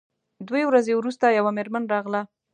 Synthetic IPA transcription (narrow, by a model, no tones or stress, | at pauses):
d̪wewɾazewɾust̪ajawameɾmanɾɑɣla